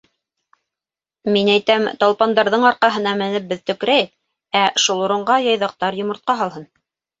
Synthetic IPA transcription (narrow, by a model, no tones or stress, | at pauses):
minæjt̪æmt̪ɑlˠpɑnd̪ɑɾðɤɴɑɾqɑɦɤ̆nɑmɘ̆nɘp̚bɘðt̪ɵ̆kɾæjɘk̚ | æʃulˠuɾɤ̆ɴɢɑjɑjðɑq̚t̪ɑɾjŏmŏɾt̪̚qɑɦɑlˠɦɤn